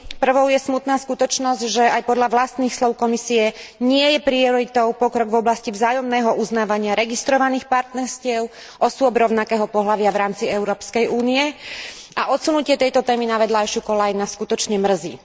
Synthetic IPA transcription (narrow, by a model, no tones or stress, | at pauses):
pr̩ʋɔʊjɛsmut̪naːskut̪ɔt͡ʃnɔzɟʒɛajpɔd̪ʎaʋlast̪niːxslɔʊkɔmisiɛɲɪɛjɛpɾiɔɾit̪ɔʊpɔkɾɔɡvɔblascivzaːjɔmnɛːɦɔʔuznaːʋaɲɪaɾɛɡist̪ɾɔʋaniːxpaɾt̪nɛɾscɪɛʊ | ʔɔsʊɔbɾɔʊnakɛːɦɔpɔɦlaʋɪaʋɾaːmt͡siɛʊɾɔːpskɛjʔuːnijɛ | aʔɔt̪sunucɪɛt̪ɛjt̪ɔt̪ɛːminaʋɛd̪laɛʃukɔlajnaskut̪ɔt͡ʃɲɛmr̩zḭː